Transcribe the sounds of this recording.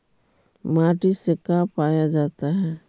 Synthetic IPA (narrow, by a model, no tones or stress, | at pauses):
maːʈisekaːpaːjad͡ʒaːt̪aɦɛː